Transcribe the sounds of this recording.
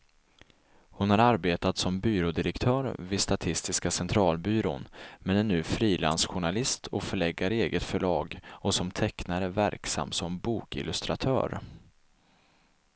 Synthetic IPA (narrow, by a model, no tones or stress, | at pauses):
hʊnhaɾaɾbeːt̪at̪sɔmbyːɾoːd̪ɪɾəkt̪ʰœːɾvɪdst̪at̪ʰɪst̪ɪskasɛnt̪ʰɾɑːlbyːɾo̰ːnmɛnɛnːʉ̟ːfɾiːla̰nsɧʊɳalɪst̪ʰɔfœɭɛɡːaɾeːɡət̪fœɭɑːɡɔsɔmt̪ʰɛknaɾəvæ̰ɾksa̰mːsɔmbuːkɪ̰lɵst̪ɾat̪ʰœ̰ːɾ